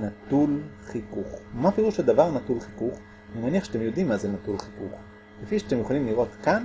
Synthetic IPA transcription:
natulχikuχmapeʁuʃad̪avaʁnatulχi̥kuχ | nimaniaχʃeat̪emjo̞d̪imːazenatulχikuχ | kefiʃeat̪emjuχalimliʁo̞tkan

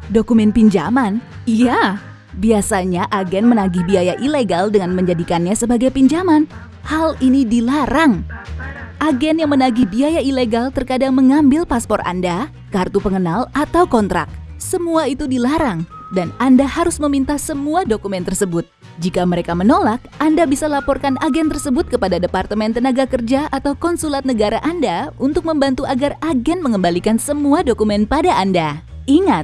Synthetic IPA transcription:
dokumɛnpiɲd͡ʒa̰man | ija | biasaɲaʔaɡɛnmənaɡibiajaʔileɡaldəŋanməɲd͡ʒadikanɲasəbaɡajpiɲd͡ʒaman | halinidilaɾaŋ | ʔaɡɛnjaŋmənaɡibiajaileɡalt̪ərkadaŋməŋambɪlpaspɔra̰nda | kart̪upəŋənalat̪awkɔnt̪ɾa̰k̚səmuait̪udilaɾaŋ | danandahaɾʊsməmint̪asəmuadokumɛnt̪ərsəbʊt̪̚ | d͡ʒikaməɾekamənolak̚ʔandabisalapɔrkanʔaɡɛnt̪ərsəbʊt̪̚kəpadadəpart̪əmɛnt̪ənaɡakərd͡ʒaʔat̪awkɔnsulat̪̚nəɡaɾaʔandaunt̪ʊk̚məmbant̪uʔaɡaraɡɛnməŋəmbalikansəmuadokumɛnpadaːnda | iŋat̪̚

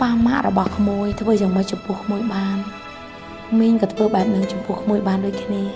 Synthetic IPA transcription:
paːma̰ʔrɔɓɑhkʰmuəjt̪ʰʋəːjaːŋməc̚t͡ɕɑmpŭəhkʰmuəjɓaːn | miəɲkɑːt̪ʰʋəːɓaɛp̚nɨŋt͡ɕɑmpŭəhkʰmuəjɓaːnɗoːc̚kʰniə

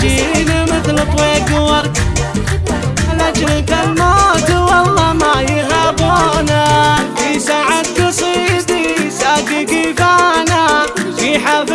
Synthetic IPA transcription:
iːnamɪθlɨt̪ˤweːɡwɑɾˤ | alat͡ʃlkalmoːd̪wɑlˤːɑmajɪɦabuːnafisaʕad̪̚ɡɑsˤiːd̪ˤisaːɡaɡifaːnafiħab

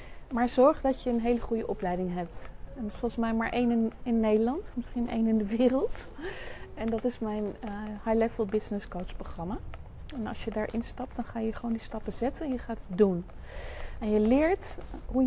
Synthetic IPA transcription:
maːɹz̥ɔɹχdɑtjəənɦejləχujəʔɔplɛjdɪŋɦɛp̚tɛnsfɔlˠχsmɛjmaːɹʔejnɪnɪnːejdəlɑntmɪsχinḛjnɪndəʋɪːrəlˠt | ɛndɑtɪsmɛjnhajlɛvəlˠbɪznɪskot͡ʃproχrɑma | ɛnɑ̰lˠsjədaːɹʔɪnstɑp̚dɑnχaːjəχəʋowndistɑpəzɛtənɛnjəχaːtdun | ɛnjəlɪːɹtɦu

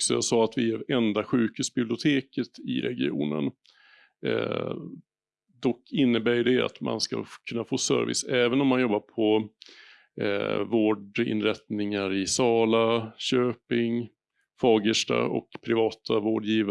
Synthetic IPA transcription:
ksɔjasɑːat̪vɪæɾɛnd̪aɧʉ̟ːkhʉ̟ːsbɪblɪʊt̪ʰeːkət̪ɪ̰ɾɛɡɪṵːnə̰n | d̪ɔkːɪnːəbæːjɖɛa̰t̪ma̰nska̰kʰɵnːafoːsœ̰ɾvɪ̰sɛːvənɔmːanjɔbːaɾpʰɔ | voːɖɪ̰nɾɛt̪nɪŋaɾɪsɑːlaɕøːpɪŋ | fɑːɡəʂʈa̰ɔ̰kpʰɾɪvɑːt̪ʰavoːɖjiːva

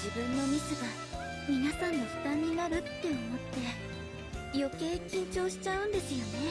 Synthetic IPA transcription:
d͡ʑibɯ̟̃nːo̞mʲit͡sɨɡa | mʲinasãnːo̞ɸɯ̟̥t̪aɲʲinaɾɯ̟t̪ːe̞omo̞t̪ːe̞ | jo̞ke̞ːkʲĩɲ̟t͡ɕo̞ːɕi̥t͡ɕaɯ̟̃nd̪e̞sɨjo̞ne̞

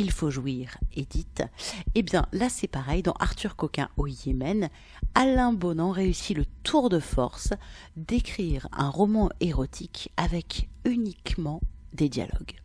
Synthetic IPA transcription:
ilfoʒwiʁed̪it̪ebjɛ̃lasɛpaʁɛjd̪ɑ̰̃ʔaʁt̪yʁkɔkʲɛ̰̃ojemɛn | alɛ̃bonɑ̃ʁeysilət̪ʰuʁd̪əfɔ̰ʁsd̪ekχiʁɛ̰̃ʁɔmɑ̃eʁɔt̪ʰikavɛkynikmɑ̃d̪ed̪ja̰lɔ̰ɡ

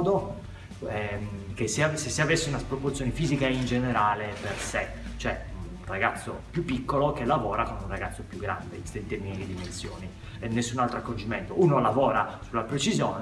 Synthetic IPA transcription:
d̪o | ɛkeseasesːeavesːeunaspɾoport̪sjoːnefiːzikaind͡ʒeneɾaːleperse | t͡ʃoɛun | raɡat̪sːopjupːikːolokelːavɔːɾakonunraɡat̪sːopjuɡːɾa̰nd̪ḛist̪ent̪ɛminilid̪imensjo̰ːni | enːesːunalt̪ɾoakːod͡ʒiment̪ounolavɔːɾasulːapɾet͡ʃizjoːn

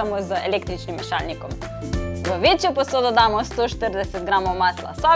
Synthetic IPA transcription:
amɔzeleːkt̪ɾit͡ʃnimːɛʃa̰lnikɔm | ʋəʋet͡ʃjɔposoːd̪ɔd̪aːmɔst̪oʃt̪əɾd̪ɛsɛt̪̚ɡɾaːmɔwmaːsla̰sɔ

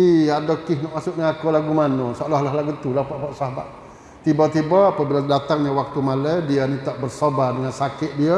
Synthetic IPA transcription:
iadokɪhnɔʔmasʊʔniakolaɡumanɔsolɔhlaɦlaɡut̪ulapaʔpaʔsahbaʔ | t̪ibat̪ibəːpəbiladat̪aŋɲawak̚t̪umaləjdianit̪aʔbərsobardəŋansakɪʔ̪̚diə

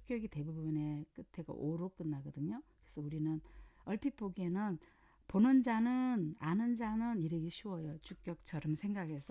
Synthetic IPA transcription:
u̥k͈jʌɡite̞bubune̞k͈ɯtʰe̞ɡa̰ʔoɾok͈ɯnːaɡʌdɯɲokɯɾe̞sʰʌuɾinɯnʌɭpʰip͈oɡienɯn | ponɯnd͡ʑanɯnanɯnd͡ʑanɯniɾeɡiɕʰuwʌjot͡ɕuk͈jʌk̚t͡ɕʰʌɾʌmsʰeŋɡaɡe̞sʰʌ

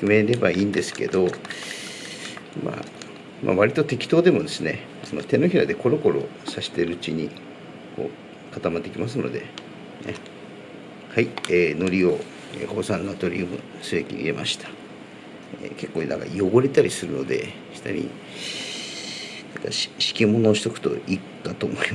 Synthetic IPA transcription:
ɯme̞ɾe̞baiːnd̪e̞sɨ̥ke̞̰d̪o̞ | ma̰ | mʔa̰βaɾʲit̪o̞t̪e̞kʲi̥t̪o̞ːd̪e̞mo̞d̪e̞sɨne̞ | sono̞t̪e̞no̞çiɾad̪e̞ko̞ɾo̞ko̞ɾo̞̰ | saɕi̥t̪e̞ɾɯ̟ːt͡ɕiɲ̟i | ko̞̰ː | kat̪amat̪ːekʲimasɨnod̪e̞̰ | ḛ | haieːno̞ɾʲio̞ | eho̞ːsãnːat̪o̞ɾʲiɯmo̰ | sɨbekʲḭḭemʔaɕi̥t̪ḁ | eke̞kːoːna̰ŋka̰jo̞ɡo̞ɾe̞t̪aɾʲisɨɾɯ̟no̞̰d̪e̞̰ | çi̥t̪a̰ɾʲḭ | nãŋkḁɕi̥kʲimo̞noːɕi̥t̪o̞kɯ̥t̪o̞̰ʔikːat̪omoi

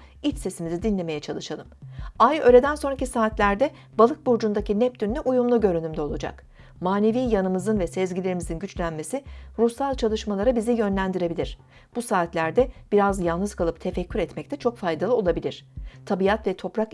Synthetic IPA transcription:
it͡ʃse̞simizid̪inlʲe̞me̞jɛt͡ʃʰalˠɯʃalˠɯmajø̞ːlʲe̞d̪ænso̞nɾacisaːt̪lʲæɾd̪ɛ | balˠɯk̚buɾd͡ʒund̪acinɛp̚d̪ynːʲyʔujumlˠuɟø̞ɾynymd̪ɛo̞lˠud͡ʒa̰k | maːne̞viːjanɯmɯzɯnvɛsɛzɟilʲe̞ɾimizinɟyt͡ʃlʲænme̞siɾusalˠt͡ʃʰalˠɯʃmalˠaɾabizijø̞nlʲænd̪iɾe̞bilʲiɾ̝̥ | b̥usaːt̪lʲæɾd̪ɛb̥iɾazjalˠnɯzkʰalˠɯp̚t̪ʰe̞fɛcʰːyɾɛt̪mɛc̚t̪ʰɛt͡ʃʰo̞kfajd̪alˠɯo̞lˠabilʲiɾ̝̥t̪ʰabijat̪vɛt̪ʰo̞pɾak

